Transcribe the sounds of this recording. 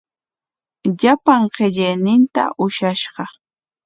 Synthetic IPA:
ʎapaŋɢeʎenɪnt̪a̰ʔʊʃaʃɢɑ

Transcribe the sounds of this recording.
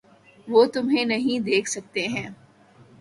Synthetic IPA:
ʋoːt̪ʊmɦẽnɐɦĩd̪eːkʰsɐk̚t̪eɦɛ̃ː

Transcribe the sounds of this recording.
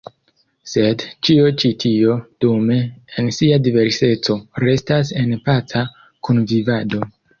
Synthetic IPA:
se̞dt͡ʃiot͡ʃitʰio̞d̥ume̞ːnsiadive̞ɾse̞t͡so̞ɾe̞stas̬e̞npat͡sa | kunvivado̞

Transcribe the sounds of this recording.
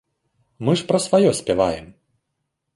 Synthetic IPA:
mɨʂpɾɐsvajɔsʲpʲɛvajɛ̰m

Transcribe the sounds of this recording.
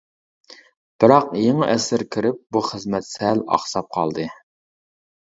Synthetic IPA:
b̥ɪɾɑqjeŋɨʔɛsɪɾkʲʰiɾɪp̚buχəzmɛt̪sɛlɑ̰χsɑp̚qʰɑlˠd̪ɨ

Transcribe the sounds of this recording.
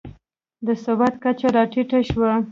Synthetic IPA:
d̪əsabat̪kat͡ʃaɾɑʈiʈaʃwa

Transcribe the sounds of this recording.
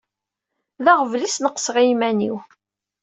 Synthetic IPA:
ðæʁvlisnəqsʁimæniw

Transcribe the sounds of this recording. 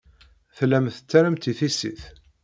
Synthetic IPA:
θlæmθə̥t͡sːæɾəmt̪iθisḭθ

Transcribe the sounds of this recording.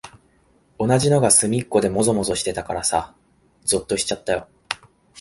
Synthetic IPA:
o̞naʑino̞ɡasɨmʲikːo̞d̪e̞mo̞zo̞mo̞zo̞ɕi̥t̪e̞t̪akaɾasa | zot̪ːo̞ɕi̥t͡ɕat̪ːajo̞

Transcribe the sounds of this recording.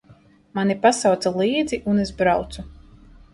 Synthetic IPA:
manipasawt̪salˠiːd̪ziʔunezbɾawt̪su

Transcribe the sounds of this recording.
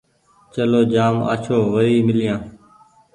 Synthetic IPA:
t͡ʃəloːd͡ʒaːma̰ːt͡ʃʰoːʋəɾiːmɪljãː

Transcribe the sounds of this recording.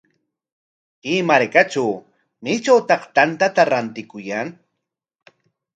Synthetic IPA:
kɪːmaɾkat͡ʃaw | mɪt͡ʃawt̪ɑχt̪ant̪at̪aɾant̪ɪkʊjaŋ

